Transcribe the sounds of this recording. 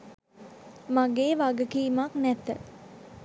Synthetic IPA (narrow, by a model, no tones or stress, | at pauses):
maɡeːʋaɡəkiːmaknæt̪ə